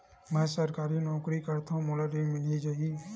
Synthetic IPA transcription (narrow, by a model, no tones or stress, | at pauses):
mɛ̃ːsɐɾkaːɾinɔːkɾikɐɾt̪ãmoːləʈimɪlid͡ʒaːi